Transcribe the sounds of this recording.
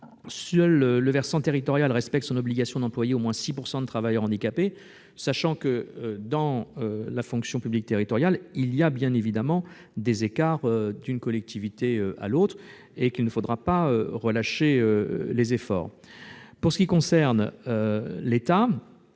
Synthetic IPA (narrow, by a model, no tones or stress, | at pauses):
sœløːəvɛʁsɑ̃t̪eʁit̪ɔʁjalʁɛspɛk̚t̪əsɔ̃nɔbliɡasjɔ̃d̪ɑ̃plwajeomwɛ̃sipuʁsɑ̃d̪ət̪χavajœʁɑ̃d̪ikape | saʃɑ̃kəød̪ɑ̃ølafɔ̃ksjɔ̃pyblik̚t̪eʁit̪ɔʁjalilijabjɛ̃nevid̪amɑ̃ | d̪ezekaʁød̪ynkɔlɛk̚t̪ʰivit̪eøa̰lot̪χ | ekilnəfod̪ʁapaøʁəlaʃeølezefɔ̰ːʁ | puʁsə̥kʲikɔ̃sɛʁnølet̪a